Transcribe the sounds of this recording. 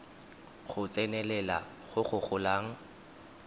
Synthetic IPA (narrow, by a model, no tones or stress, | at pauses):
ɣʊt͡sʼɛnɛlɛla̰ | ɣʊχʊχʊlaːŋ̩